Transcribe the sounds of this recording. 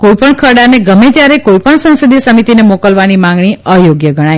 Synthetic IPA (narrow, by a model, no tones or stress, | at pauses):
koipəɳkʰəɾɽaneɡəmet̪jaɾekoipəɳsə̃nsəd̪iəsəmit̪inemokəlʋanimãŋɡɳ̃iəjoɡjəɡʱəɽ̃aj